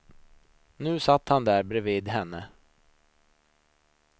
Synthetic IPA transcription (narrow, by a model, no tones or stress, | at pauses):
nʉ̟ːsat̪ːhand̪æːɾbɾɛviːd̪ɦɛnːə